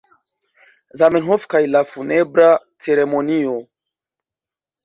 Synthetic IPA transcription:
zamenɦofkajlafunebɾa | t͡seɾemonio

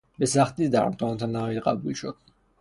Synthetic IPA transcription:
bɛsaχt̪ʼisd̪a̰ɾmt̪ʰʼɔnt̪ʰanait̪qʼa̰bulʃɔt̪

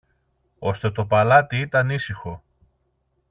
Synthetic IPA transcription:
o̞st̪e̞t̪o̞pɐlɐt̪iit̪ɐnisixo̞

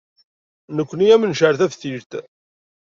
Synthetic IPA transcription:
nəkʷːniæmənʃəɾθævθiɾt̪

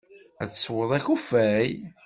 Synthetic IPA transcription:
æ̰t͡sːswəðˤæçufæj

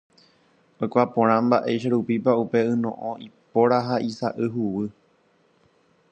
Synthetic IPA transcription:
okʷapõɾ̃ãmbaʔe̞jʃ̬aɾupipaupe̞ɨnõ̰ʔõipo̞ɾaɦaʔisaʔɨɦuwɨ

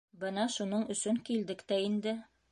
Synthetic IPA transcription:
bɤnɑʃunɤɴɵ̆sɵŋkild̪ɘkt̪æind̪ɘ

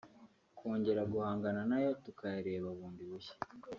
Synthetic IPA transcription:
kʰo̞ːɲɟe̞ɾaɡuhaːŋɡananajo̞tukʰajaɾe̞ːβaβuːndiβuçe̥

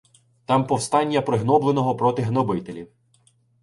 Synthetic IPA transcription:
t̪ɑmpɔwst̪ɑnʲːɐpɾɪɦnɔblˠenɔɦɔpɾɔt̪ɪɦnɔbɪt̪elʲiw

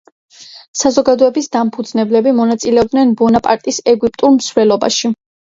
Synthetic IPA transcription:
sazɔɡad̪ɔɛbisd̪ampʰud̪znɛblɛbimɔnat̪sʼilɛɔb̚d̪nɛnbɔnapʼaɾt̪ʼisɛɡwip̚ʼt̪ʼuɾmsvɾɛlɔba̰ʃi

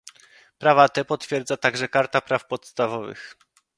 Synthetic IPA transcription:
pɾavat̪ɛpɔt̪fʲjɛɾd̪zat̪aɡʐɛkaɾt̪apɾafpɔt̪st̪avɔvɘ̰x

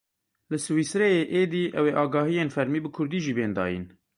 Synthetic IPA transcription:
lɨsɨwiːsɾɛjeːʔeːd̪iːʔɛweːʔɑːɡɑːhijeːnfɛɾmiːbɨkʰʊɾd̪iːʒiːbeːnd̪ɑ̰ːjḭn

